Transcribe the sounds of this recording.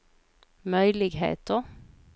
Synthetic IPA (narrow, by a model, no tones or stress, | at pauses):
mœʏlɪɡhḛːt̪ɔ